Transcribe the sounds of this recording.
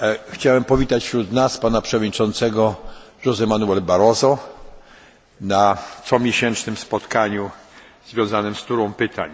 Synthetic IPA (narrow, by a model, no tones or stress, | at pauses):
xt͡ɕawɛmpɔvʲit̪at͡ɕfɕɾut̪naspanapʂɛvɔd̪ɲit͡ʂɔnt̪sɛɡɔ | ʐɔzɛmanuɛlbaɾɔzɔ | nat̪sɔmʲjeɕɛnt͡ʂnɘmspɔt̪kaɲu | zvʲjɔ̃w̃zanɘmst̪uɾɔ̃w̃pɘt̪ʰa̰ɲ